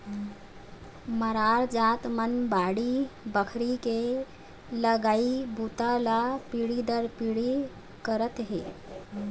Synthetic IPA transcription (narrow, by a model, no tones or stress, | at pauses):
məɾaɾd͡zat̪mənbaɽibəkʰɾike | ləɡaibut̪alapiɽid̪əɾpiɭi | kəɾət̪ɦḛ